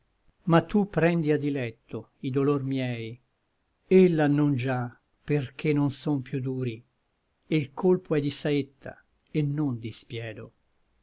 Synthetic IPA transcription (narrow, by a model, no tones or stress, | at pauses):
mat̪ʰːupːɾɛnd̪iad̪ilɛt̪ʰːo | id̪olormjɛːj | elːanond͡ʒa | perk̟ʰenːonsompjud̪uːɾi | elkʰolpoɛd̪isaet̪ʰːa̰ | enːond̪ispjɛːd̪o